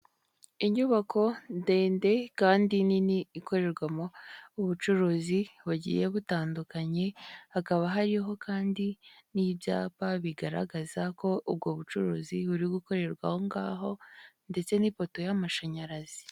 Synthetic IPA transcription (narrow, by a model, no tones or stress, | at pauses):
iɲuβako̞nde̞ːnde̞kaːndininiːko̞ɾe̞ɾɡwamo̞uβut͡ʃuɾuːziβuɟḭje̞βutaːndukaɲe̞hakaβaɦaɾiɦo̞kaːndinibja̰ːpaβiɡaɾa̰ɡazako̞ub̚ɡoːβut͡ʃuɾṵːziβuɾiɡuko̞ɾe̞ɾɡwa̰ho̞ŋɡa̰ːɦo̞nde̞t͡se̞nipo̞to̞jamaʃaɲaɾazi̥